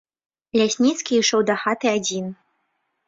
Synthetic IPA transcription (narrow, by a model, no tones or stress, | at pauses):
lʲasʲnʲit̪skʲiiʂɔwd̪axat̪ɨad͡zʲin